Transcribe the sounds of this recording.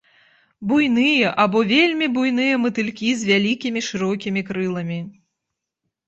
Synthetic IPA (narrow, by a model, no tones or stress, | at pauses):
bujnɨjɐʔabɔvʲelʲmʲibujn̪ɨjɐmɨt̪ɨlʲkʲizʲvʲalʲikʲimʲiʂɨɾɔkʲimʲikɾɨlˠɐmʲi